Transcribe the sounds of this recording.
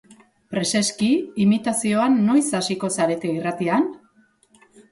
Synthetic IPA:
pɾe̞se̞skiimit̪asio̞anːo̞jsasiko̞saɾe̞t̪eirat̪ian

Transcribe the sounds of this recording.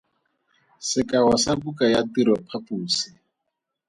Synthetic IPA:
sɪkawasabukajatiɾɔpʰapuːsi

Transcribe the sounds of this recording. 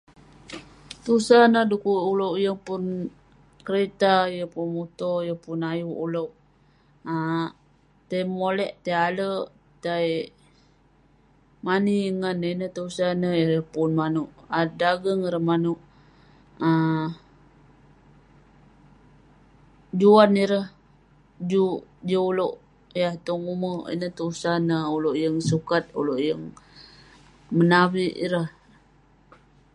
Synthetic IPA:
t̪usanədukuulowʔjəŋpun | kəɾet̪ajəpunmut̪ɔjəpunajuʔulow | a | t̪ajmolɛʔt̪ajalə | t̪aj | maniəŋanːənət̪usanəəɾəhpunmanuʔadaɡəŋiɾəhmanuʔ | ə | d͡ʒuaniɾəh | d͡ʒud͡ʒuuloʔ | jaht̪oŋuməḭnəht̪əusanəuloʔjəŋsukat̪̚ṵloʔjəŋ | mənaβiʔḭɾəh

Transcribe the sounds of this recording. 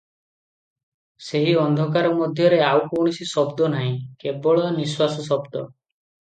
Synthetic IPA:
seɦiɔnd̪ʱɔkaɾɔmɔd̪ʱjɔɾeawkoɽ̃isisɔbd̪ɔnaɦĩkebɔɭɔniswasɔsɔbd̪ɔ

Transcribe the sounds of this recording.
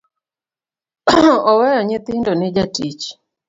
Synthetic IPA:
ɔwɛjɔɲɪt̪ɪndonɪd͡ʒatit͡ʃ

